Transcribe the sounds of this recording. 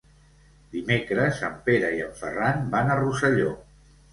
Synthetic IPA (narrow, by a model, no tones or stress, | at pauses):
d̪imekɾəzəmpeɾəiəmfə̰ranbanərusəʎo